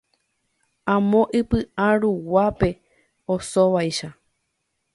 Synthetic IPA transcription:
ãmõʔɨpɨʔãɾuwape̞ | osoʋajʃa

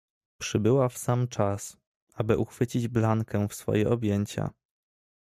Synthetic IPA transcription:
pʂɘbɘwafsamt͡ʂas | ʔabɘʔuxfɘt͡ɕid͡ʑblaŋkɛfsfɔ̰jɛʔɔbʲjeɲt͡ɕa̰

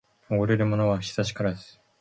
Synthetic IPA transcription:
oɡoɾe̞ɾɯ̟mo̞no̞βaɕi̥zaɕi̥kaɾad̪esɨ̥

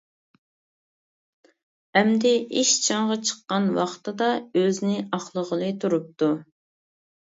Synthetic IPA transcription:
ɛmd̪ɪʔiʃt͡ʃʰɑŋʁɑt͡ʃʰə̥qːɑnwɑχt̪ɨd̪ɑøznɪɑχlˠəʁəlˠɨt̪ʰuɾup̚t̪u

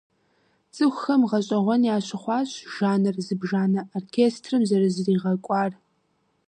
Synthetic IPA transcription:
t͡sʼɨxʷxɐmʁɐɕʼɐʁʷɔnjaːɕɪχʷɑːɕʒaːnɨrzɨbʒaːnɐʔoːrkʲʰeːstʰrɨmzɐɾɨzɨriːʁɐkʷʼɑːr

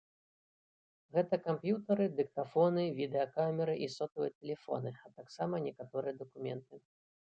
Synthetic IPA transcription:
ɣɛt̪ɐkampjut̪ɐɾɨd̪ɨk̚t̪afɔnɨvʲid̪ɛɐkamʲɛɾɨʔisɔt̪ɐvɨjɛt̪ɛlʲɛfɔ̰nɨat̪aksamɐnʲɛkat̪ɔɾɨjɐd̪ɐkumʲɛ̰nt̪ɨ

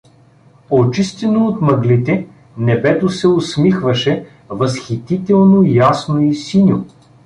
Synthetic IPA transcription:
ot͡ʃist̪ɛnoːt̪mɐɡlit̪ɛ | nɛbɛt̪osɛosmixvɐʃɛ | vɐsxit̪it̪ɛlˠnojasnoisinʲo

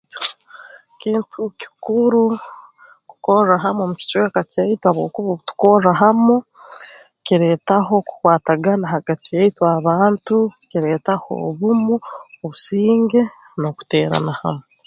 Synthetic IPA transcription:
o | kiːntʰuki̥kuɾu | ku̥ko̞raɦamomuci̥t͡ʃwe̞ːkacaitwaβo̰ːkuβoβutu̥ko̞raɦamo | ciɾe̞ːtaɦo̞ku̥kwaːtaɡanaɦaɡatijaitwaβaːntuciɾe̞ːtaho̞̰βumuoβusiːŋɡe̞ | no̞ku̥te̞ːɾa̰naha̰me

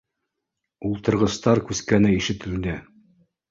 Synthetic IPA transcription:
ulˠt̪ɤ̆ɾʁɤ̆st̪ɑɾkʉskænɘiʃɘ̆t̪ɘ̆ld̪ɘ

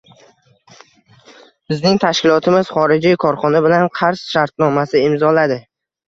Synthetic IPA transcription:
bɪznɪŋt̪ʰaʃkʲɪlˠɒt̪ʰɪmɪz̥χɒɾɪd͡ʒijkʰɒɾχɒnabɪlanqʰɑɾsʃaɾt̪̚nɒmasɪɪmzɒlad̪ɪ

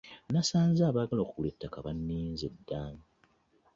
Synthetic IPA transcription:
nasaːnzaːβaɡaloːkuuletːakaβanːiːnzedːaːŋɡa

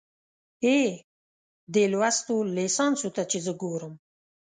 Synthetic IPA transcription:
e | d̪elwast̪olesɑnsut̪at͡ʃezəɡoɾəm

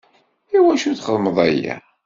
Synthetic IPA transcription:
iwæʃuθχəðˤməðˤæjæ̰

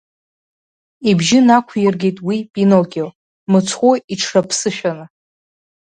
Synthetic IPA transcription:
ibʒɪnakʷʰjɪrɡʲejtʼwipʼinokʲel | mɨt͡sʰχʷoiʈ͡ʂʰrapʰsɨʃᶣanɨ

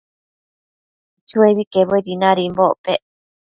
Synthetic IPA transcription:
t͡ʃueβikeβoiɾinãɾimboʔpe

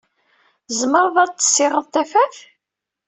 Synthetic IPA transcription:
zməɾˤðˤɑt͡s̪ːə̥sːɪʁəðˤt̪æfæθ

